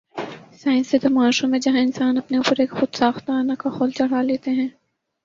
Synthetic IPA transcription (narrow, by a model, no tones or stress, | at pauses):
saːɪ̃nsed̪ʊmaːʃõmẽd͡ʒɐɦãɪ̃nsaːnɐpneʊpəɾeːkxʊd̪saːxt̪aːnakaxoːlt͡ʃɐɽ̤aːleːt̪eɦɛ̃ː